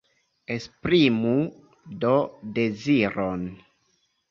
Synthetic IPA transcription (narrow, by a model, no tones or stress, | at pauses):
espɾimu | dodeziɾon